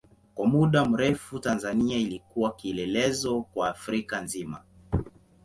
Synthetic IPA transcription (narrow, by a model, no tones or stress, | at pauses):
kwamuɗam̩ɾɛfutanzaniailikuwakiɛlɛlɛzɔkwaːfɾikanzima̰